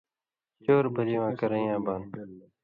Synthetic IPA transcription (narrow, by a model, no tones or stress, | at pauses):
t͡ʃoːɾbʱəɾiːwãːkəɾə̃jãːbaːn